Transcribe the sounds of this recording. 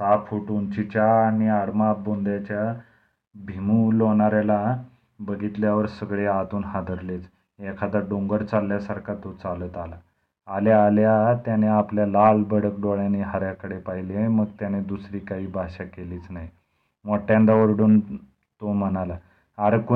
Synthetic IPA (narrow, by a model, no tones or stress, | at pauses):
t̪apʰuʈunt͡ɕit͡ɕjaːñiaɽmabond̪jat͡ɕja | bʱimuloɳ̃aɾala | bəɡʱit̪ljaʋəɾsəɡɭeat̪uːnɦad̪ʱəɾlet͡s | jekʰat̪əɾɖoŋɡəɾt͡salːjasaɾkʰat̪ot͡salət̪alaː | ljaːljat̪janeapljalalbəɽəkɖoɭjaneɦaɾjakəɽepaɦileməɡt̪janed̪usɾiːkaɦiːbʱaɕakeliːt͡snaɦi | moʈjãnd̪aʋəɾɽuːn | t̪om̤ənala | aɾku